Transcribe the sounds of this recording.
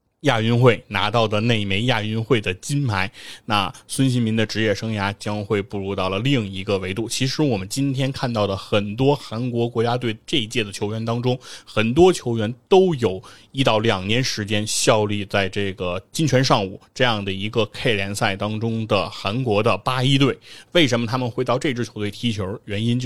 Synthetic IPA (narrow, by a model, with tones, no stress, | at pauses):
ja˥˩y˥nxwe˥˩ɪna̰˧˥t̪ɑ˥˩ʊd̪ə˩ne˥˩ɪme˧˥ɪja˥˩y˥nxwe˥˩ɪd̪ə˩t͡ɕi˥nmʰa˧˥ɪna˥˩swə˥nɕi˧˥nmi˧˥nd̪ə˧ʈ͡ʂɻ̩˧˥jɛ˥˩ʂɤ˥ŋja˧˥t͡ɕjɑ˥ŋxwe˥˧ɪpu˥˩ɻu˧˥t̪ɑ˥˩ʊlə˩li˥˩ŋi˧˥ɡə˧we˧˥ɪt̪u˥˩t͡ɕʰi˧˥ʂɻ̩˧˥wɔ˨˩mə˦nt͡ɕi˥nt̪ʰjɛ˥nkʰa˥˧nt̪ɑ˥˩ʊlə˩xə˨˩nt̪wɔ˥xa˧˥nkwɔ˧˥kwɔ˧˥t͡ɕja˥t̪we˥˧ɪʈ͡ʂe˥˧i˧˥t͡ɕjɛ˥˩d̪ə˩t͡ɕʰjo˧˥ʊɥɛ˧˥nt̪ɑ˥ŋʈ͡ʂʊ˥ŋxə˨˩nt̪wɔ˥t͡ɕʰjo˧˥ʊɥɛ˧˥nt̪o˥ʊjo˨˩ʊi˧˥t̪ɑ˥˩ʊljɑ˨˩ŋnjɛ˧˥nʂɻ̩˧˥t͡ɕjɛ˥nɕjɑ˥˧ʊli˥˧t͡sa˥˧ɪʈ͡ʂɤ˥˩ɡə˩t͡ɕi˥ŋt͡ɕʰɥɛ˧˥nʂɑ˥˧ŋṵ˨˩˦ʈ͡ʂɤ˥˧jɑ˥˩ŋd̪ə˩i˧˥ɡə˧kʰe˥˩ɪljɛ˧˥nsa˥˩ɪt̪ɑ˥ŋʈ͡ʂʊ˥ŋd̪ə˨xa˧˥nkwɔ˧˥d̪ə˧pa˥i˥t̪̬we˥˩ɪwe˥˩ɪʂə˧˥nmə˧t̪ʰa˥mə˨nxwe˧˥ɪt̪ɑ˥˧ʊʈ͡ʂe˥˧ʈ͡ʂɻ̩˥˩t͡ɕʰjo˧˥ʊt̪we˥˩ɪt̪ʰi˧˥t͡ɕʰjo˧˥ʊɥɛ˧˥ni˥n˥˧